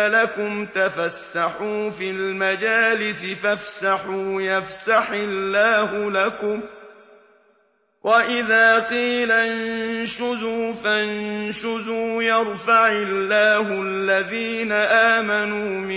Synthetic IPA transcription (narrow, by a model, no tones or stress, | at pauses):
lakʊmt̪afasːaħuːfiːlmad͡ʒaːlɪsɪfafsaħuːjafsaħɪlːaːhʊlakʊm | wʔaʔɪðaːqiːlannnʃʊzuːfanʃʊzuːjɑɾˤfaʕɪlːaːhʊalːaðiːnaʔaːmanuːmɪ